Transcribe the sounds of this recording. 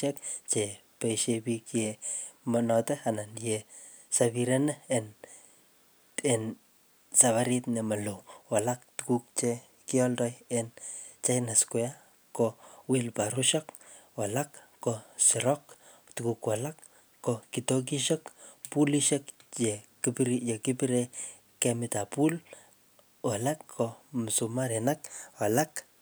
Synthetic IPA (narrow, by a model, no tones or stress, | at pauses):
ekt͡ʃe | pejʃebikjemɔnɔteananje | saβiɾeneen | en | saβaɾitnemalowwalak̚tukuk̚t͡ʃe | kiɔldɔjent͡ʃenaskwea | kowelpaɾuʃɔkwalakːɔsiɾɔk | tukukwalakː | ɔkitok̬iʃɔkpuliʃekt͡ʃekipɾijekipiɾe | kemitapul | walakːomsumaɾenakwalak